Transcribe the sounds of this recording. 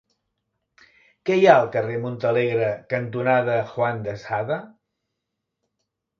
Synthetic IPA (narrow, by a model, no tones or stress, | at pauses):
kɛjaəlˠkəremunt̪əleɣɾəkənt̪unaðəxwand̪əsaðə